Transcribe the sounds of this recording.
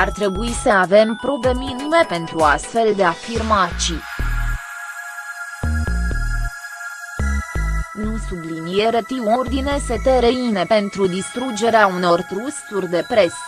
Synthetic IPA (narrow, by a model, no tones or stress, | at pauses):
art̪ɾe̞buisəave̞mpɾo̞ble̞minime̞pe̞nt̪ɾuast̪fe̞ld̪e̞afirmat̪t͡ʃi | nusublinieɾet̪iurd̪ine̞set̪eɾeine̞pe̞nt̪ɾud̪ist̪ɾud͡ʒe̞ɾeauno̞rt̪ɾusurʲd̪e̞pɾe̞s